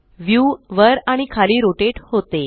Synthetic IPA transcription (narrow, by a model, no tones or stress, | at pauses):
ʋjuʋəɾaɽ̃ikʰaliːɾoʈeʈhot̪e